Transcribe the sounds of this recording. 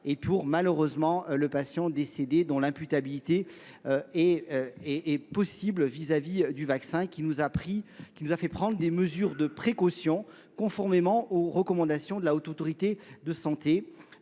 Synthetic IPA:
epuʁmaløʁøzmɑ̃ləpasjɑ̃d̪esed̪ed̪ɔ̃lɛ̃pyt̪abilit̪e | øɛɛɛpɔsiblvizavid̪yvaksɛ̃kʲinuzapχikʲinuzafɛpχɑ̃d̪ʁəd̪eməzyʁd̪əpχekɔsjɔ̃ | kɔ̃fɔʁmemɑ̃oʁəkɔmɑ̃d̪asjɔ̃d̪əlaot̪ot̪ɔʁit̪ed̪əsɑ̃t̪e

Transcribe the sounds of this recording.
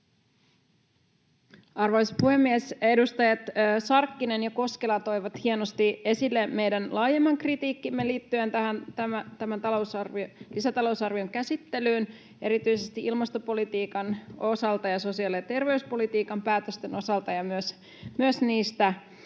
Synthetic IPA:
ɑrʋɑjspuhe̞mːiese̞dust̪ɑjɑt̪ːsɑrkːine̞njɑko̞ske̞lɑt̪o̞jʋɑt̪hienost̪ie̞silːeme̞jdænlɑːje̞mːɑŋkrit̪iːkːimːeliːt̪ːye̞nt̪æhænt̪æmæt̪æmænt̪ɑlo̞wsɑrʋiolisæt̪ɑlo̞wsɑrʋioŋkæsit̪ːe̞lyːn | e̞ɾit̪yjse̞st̪iʔilmɑst̪o̞po̞lit̪iːkɑno̞sɑlt̪ɑjɑso̞siɑliɑt̪e̞rʋe̞yspo̞lit̪iːkɑmpæːt̪øst̪e̞no̞sɑlt̪ɑjɑmyøs | myøsniːst̪æ

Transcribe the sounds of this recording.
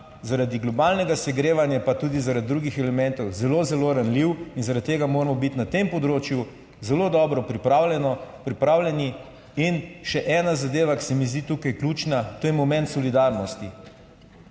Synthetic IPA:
zaɾad̪iɡlɔbaːlnɛɡasɛɡɾeːʋanjapat̪uːd̪izaɾad̪̚d̪ːɾuɡixɛlɛmɛnt̪ɔwzɛlozɛloɾanliwinzaɾat̪t̪ːeːɡamoːɾmɔbit̪nat̪empɔd̪ɾoːt͡ʃju | zɛlod̪ɔːbɾɔpɾipawlɛnɔpɾipɾaːwlʲɛni | inʃɛʔɛːnazad̪eːʋaki̥sɛmizd̪it̪ukajklut͡ʃnat̪oːjɛmɔmɛ̃nt̪sɔlid̪aɾnɔst̪i

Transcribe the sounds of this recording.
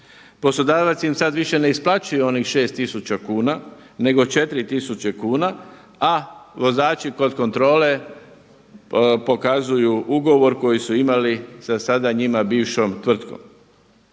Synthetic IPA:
po̞slˠo̞d̪aːʋat̪siimsad̪ʋiʃe̞neisplat͡ʃujuo̞nixʃe̞ːst̪isut͡ɕakuːna | ne̞ɡo̞t͡ʃe̞t̪ɾit̪isut͡ɕe̞kuːna | aʋo̞zaːt͡ʃiko̞d̪ko̞nt̪ɾo̞ːle̞ | po̞kazujuʔuɡo̞ʋo̞ɾko̞jisuimalisasad̪aɲimabiːʋʃomt̪ʋr̩t̪ko̞̰m

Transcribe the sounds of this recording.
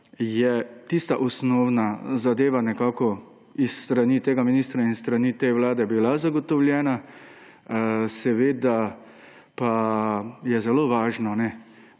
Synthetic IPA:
jɛt̪ist̪aʔɔsnɔːwnazad̪eːʋanɛkaːkɔ | isːt̪ɾaniːt̪eːɡaminiːst̪ɾainst̪ɾanit̪eʋlaːd̪ɛbilazaɡɔt̪ɔwljɛːna | sɛʋeːd̪a | pa | jɛzɛloʋaːʒnɔnɛ

